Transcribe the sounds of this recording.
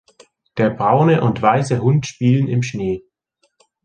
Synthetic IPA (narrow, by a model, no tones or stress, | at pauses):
d̥eːɐbʁaʊnəʔʊntv̥aɪsəɦʊntʃpiːlənɪmʃneː